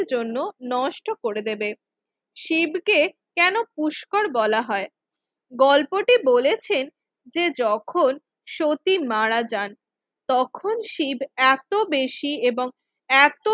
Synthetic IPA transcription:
ɾd͡ʑonːonɔʃʈokoɾed̪ebe | ʃibʱke | kɛnopuʃkoɾbɔlaɦɔe | ɡɔlpoʈibolet͡ɕʰen | d͡ʑed͡ʑɔkʰon | ʃot̪imaɾad͡ʑan | t̪ɔkʰonʃibʱɛt̪obeʃieboŋ | ɛt̪o

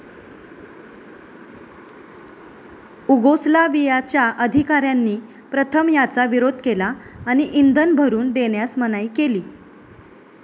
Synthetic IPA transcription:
uɡoslaʋijat͡ɕjaʔəd̪ʱikaɾjanːiː | pɾət̪ʰəmjat͡saʋiɾod̪ʱkelaːñiʔind̪ʱənbʱəɾuːnd̪eɳjasmənaiːkeliː

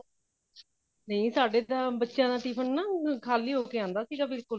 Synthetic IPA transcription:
nə̃ĩːsaːɖeːd̪aːbətːʃjãːd̪aːʈiːpʰənnãːkʰaːliːɦoːkeːãːnd̪aːsiːɡaːbɪlkʊl

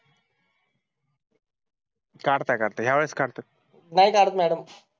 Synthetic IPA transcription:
kaɽt̪akaɽt̪aɦjaʋeɭeskaɽt̪a | najkaːɽət̪mɛːɽəm

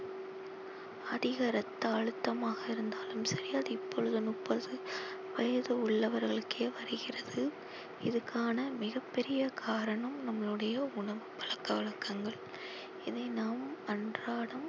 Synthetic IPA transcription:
ɐðɪɣɐɾɐt̪ːɐːɻɯt̪ːɐmaːɣɐɪɾɯnd̪aːlɯmsɐɾɪjaðɯɪpːɔɻɯðɯnʊpːɐðɯ | ʋɐjɐðɯʊɭːɐʋɐɾɣɐɭɯkʰːeːʋɐɾɯɣɪrɐðɯ | ɪðɯkʰːaːnɐmɪɣɐpːɛɾɪjɐkʰaːɾɐɳɐmnɐmːɐɭɯɽɐjɐʊɳɐʋɯpːɐɭɐkːɐʋɪɭɐkːɐŋɡɐɭ | ɪðɐɪnaːmɐɳdraːɽɐm

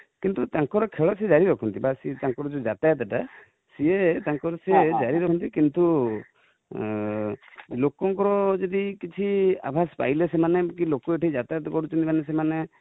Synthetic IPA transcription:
kint̪ut̪aŋkɔɾɔkʰeɭɔsed͡ʒaɾiɾɔkʰɔnt̪ibasit̪aŋkɔɾɔd͡ʒud͡ʒat̪ajt̪aʈa | siet̪aŋkɔɾɔsed͡ʒaɾiɾɔkʰɔnt̪̬ikint̪u | lokɔŋkɔɾɔd͡ʒɔd̪ikit͡ʃʰia̰bʱaspa̰jlesemanekilokɔeʈʰid͡ʒat̪at̪ɔkɔɽut͡ʃʰɔnt̪imanes̬emane

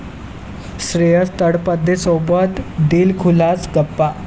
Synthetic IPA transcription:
sɾejəst̪əɽpəd̪ʱːesobət̪d̪iːlkʰulat͡sɡəpːa

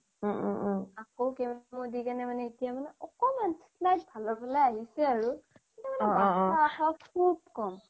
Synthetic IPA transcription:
akowkɛmmodikanɛmanɛitijamanɛʔɔkɔmansi̥slajtbʱalɔpalajaɦisɛaɹu | ɛnɛmanɛaaxakʰub̚kɔm

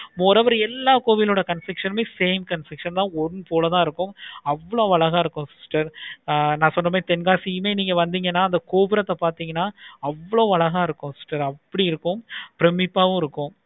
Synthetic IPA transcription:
moːɾɐʋɐɾɛlːaːkoːʋɪloːɽɐkɐnsɾɪkʂɐnmeːseːmkɐnfɾɪkʂɐnt̪ãːɔɳpoːlɐt̪ãːɪɾɯkːʊ̃ɐʋːɐɭoːʋɐɭɐɣaːɪɾɯkːʊ̃sɪsʈɐɾnãːsɔnːɐmeːt̪ɛnɡaːsijɯmeːniːŋɡɐʋɐnd̪iːŋɡɐnːaːɐnd̪ɐkoːpɯɾɐt̪ːɐpaːɾt̪iːŋɡɐnːaːɐʋːɐɭoːʋɐɭɐɣaːɪɾɯkːʊ̃sɪsʈɐɾɐpːɐɽiɪɾɯkːʊ̃pɪɾɛmɪpːaːʋʊ̃ɪɾɯkːʊ̃

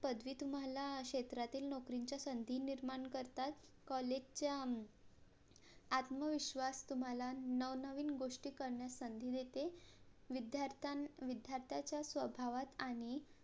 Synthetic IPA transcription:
pəd̪ʋiːt̪um̤alaɕet̪ɾat̪iːlnɔkɾiɲt͡ɕjasənd̪ʱiːniɾmaɳkəɾt̪at̪ | kɔled͡ʑt͡ɕa | at̪məʋiɕʋast̪um̤alanəʋnəʋiːnɡoʂʈiːkəɾɳjasənd̪ʱiːd̪et̪eʋid̪jaɾt̪aʋid̪ʱjaɾt̪ʰjat͡ɕjasʋəbʱaʋat̪aɽ̃i

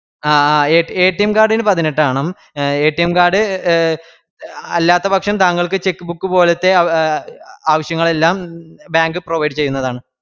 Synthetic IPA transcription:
aːaːeːeːʈːɐjɐmkaːrɖinɨpɐðineʈːaːɳɐm | eːʈːɐjɐmkaːɖɨ | ɐlːaːt̪ːɐpɐkʂɐmt̪aːŋːɐɭkɨt͡ɕe̞kːɨbukːɨpo̞ːlɐt̪ːe̞ | aːʋɐɕjɐŋːɐɭe̞lːaːmbjaːŋɡɨproʋɐjɖɨt͡ɕe̞jːunːɐðaːɳɨ

